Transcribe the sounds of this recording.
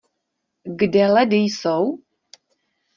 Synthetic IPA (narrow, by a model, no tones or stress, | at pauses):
ɡdɛladejsɔw